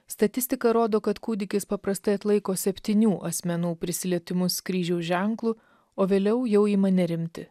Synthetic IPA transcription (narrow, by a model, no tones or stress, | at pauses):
st̪ɐt̪ʲɪsʲt̪ʲɪkɐɾoːd̪oːkɐt̪kuːd̪ʲɪkʲɪspɐpɾɐst̪ɐɪɐt̪lˠɐɪkoːsʲɛpʲt̪ʲiːnʲuːʔɐsʲmʲɛnuːpʲɾʲɪsʲɪlʲiɛt̪ʲɪmʊskɾʲiːʒʲɛʊʒʲɛŋklˠuː | oːʋʲeːlʲɛʊjɛʊiːmɐnʲɛɾʲɪmʲt̪ʲɪ